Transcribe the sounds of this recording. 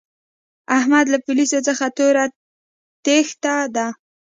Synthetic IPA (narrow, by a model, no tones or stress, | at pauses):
ahmad̪lapʊlisot͡səxat̪oɾa | t̪ext̪ad̪a